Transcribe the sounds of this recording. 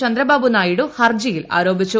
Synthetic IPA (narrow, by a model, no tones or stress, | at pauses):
ɐnd̪ɾɐbaːbunaːjiɽuhɐrd͡ʑijila̰ːɾo̞ːbit͡ɕːu